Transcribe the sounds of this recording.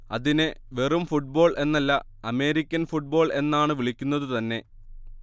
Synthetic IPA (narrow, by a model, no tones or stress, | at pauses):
ɐðinɨʋe̞rumfuʈ̚bo̞ːɭʔe̞nːɐlːɐ | ɐme̞ːɾikʲːɐnfuʈ̚bo̞ːɭe̞nːaːɳɨʋiɭikʲːunːɐðɨt̪ɐnːe̞